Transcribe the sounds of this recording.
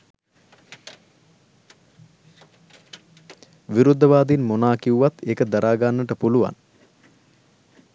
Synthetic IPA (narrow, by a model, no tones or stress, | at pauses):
ʋiɾud̪ːəʋaːd̪inmonaːkiuʋat̪ʰːeːkəd̪aɾʔaːɡanːəʈəpuluʋa̰n